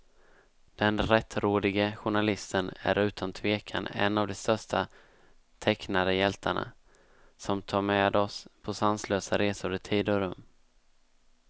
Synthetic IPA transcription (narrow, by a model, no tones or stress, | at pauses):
d̪̥ɛnɾɛt̪ːɾoːd̪ɪɡəɧʊɳalɪst̪ənæ̰ɾʉ̟ːt̪ʰant̪ʰveːkʰa̰nɛ̰nːavd̪ɛst̪œʂʈa | t̪ʰɛknad̪əjɛlt̪ʰa̰ɳa̰ | sɔmt̪ʰɑːɾmeːd̪ɔspʰɔsansløːsaɾeːsʊɾɪt̪ʰiːd̪əɾɵ̰mː